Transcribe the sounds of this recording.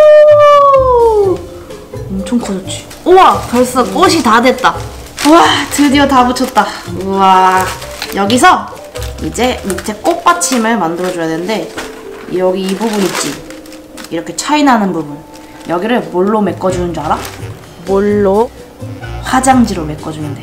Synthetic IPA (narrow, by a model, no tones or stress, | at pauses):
ʌmt͡ɕʰoŋkʰʌd͡ʑʌt͡ɕ͈ʰi̥ | oakʌɭs͈ʌk͈oɕ̬ʰitadwe̞t̚t͈a | uatɯdiotabut͡ɕʰʌt̚t͈aa | jʌɡisʰʌ | id͡ʑe̞muktʰe̞k͈ok̚p͈at͡ɕʰimɯɭmandɯɾʌd͡ʑojadwenɯnde̞ | jʌɡiːbubunit̚t͡ɕ͈i | iɾʌkʰe̞t͡ɕʰainɦanɯnbubun | jʌɡiɾɯɭmoɭːome̞k͈ʌd͡ʑunɯnd͡ʑʌɾa | moɭːo | ɸwad͡ʑaŋd͡ʑiɾome̞k͈ʌd͡ʑuninde